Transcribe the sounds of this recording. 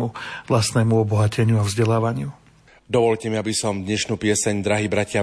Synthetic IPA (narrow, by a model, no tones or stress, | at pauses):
uʋlast̪nɛːmuɔbɔɦacʰɛɲɪuavzɟɛlaːʋaɲɪu | d̪ɔʋɔʎcɛmiabisɔmd̪ɲɛʃnuːpɪɛsɛɲd̪ɾaɦibɾacɪa